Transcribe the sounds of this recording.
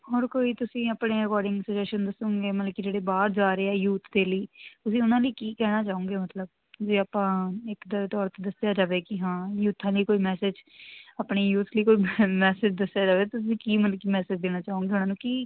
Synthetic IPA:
hɦɔːɾkoːiːt̪ʊsĩːaːpɽeːɾɪkɔːɾɖɪ̃ŋɡsəd͡ʒɛːʃənd̪əsõːŋɡeːmət̪ləb̚kid͡ʒeːɽeːbaːɾd͡ʒaːɾeːɛːjuːt̪ʰd̪eːliːt̪ʊsĩːʊnãːləiːkiːkɛːɽ̃aːt͡ʃaːõːŋɡeːmət̪ləb̚ | d͡ʒeːaːpãːɪkd̪ət̪ɔːɾt̪eːd̪əsɪjaːd͡ʒaːʋeːkɪɦãːjuːt̪ʰãːliːkoːiːmɛːsɪd͡ʒaːpɳeːjuːt̪ʰliːkoːiːmɛːsɪd͡ʒd̪əsjaːd͡ʒaːʋeːt̪ʊs̬ĩːkiːmənkiːmɛːsɪd͡ʒd̪eːñaːt͡ʃaːõːŋɡeːʊnãːnũːkiː

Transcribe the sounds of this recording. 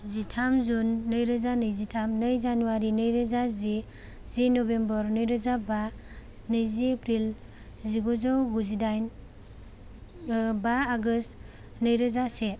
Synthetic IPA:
zitʰamzunːɯjɾazanɯjzitʰamnəjzanuwaɾinəjɾazazi | zinobembɔɾnɯjɾazaba | nɯjziepɾil | ziɡɔzɔwɡuzidajn | baaɡɯst | nəjɾazase

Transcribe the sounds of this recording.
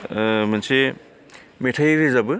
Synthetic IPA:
mɐnse | metʰajɾɯzabɯ

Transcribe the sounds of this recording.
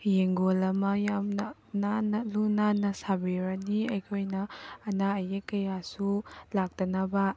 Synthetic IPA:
jeŋɡolɐmɐjamnɐ | nanɐlunanɐsabeɾɐniɐjkʰojnɐːnaɐjekɐjasulak̚tɐnaba

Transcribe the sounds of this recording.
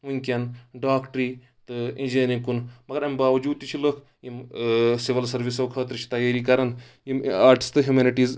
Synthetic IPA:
unʲkʲɐnɖaːkʈɾiː | t̪ɨinʲd͡ʒeːnikunmɐɡɐɾɐmʲbaːʋɐd͡ʒuːd̪̚t̪it͡ʃʰiləkʰ | jimsiʋɐlsɐɾʋisɐʋkʰɐːt̪ɾɨt͡ʃʰi̥t̪ɐjaːɾikɐɾɐn | jimaːɾʈi̥st̪ɨɦjumeːniʈiːz

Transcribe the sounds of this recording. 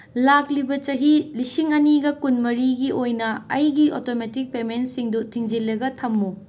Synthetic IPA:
laklibɐt͡ʃɐɦilisiŋɐniɡɐkunmɐɾiɡiojnɐɐjɡiʔotometik̚pemensiŋdutʰiŋd͡ʒilːɐɡɐtʰɐmːu

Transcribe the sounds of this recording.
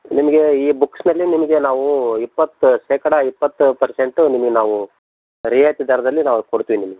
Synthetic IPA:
nimɐɡe̞iːbuksnɐlːinimɐɡe̞naːʋuipːɐt̪ːuʃeːkɐɽɐipːɐt̪ːupɐɾse̞ɳʈunimɐɡe̞naːʋu | ɾijajt̪id̪ɐːɾɐd̪ɐlːinaːʋukoɽt̪iʋinimɐɡe

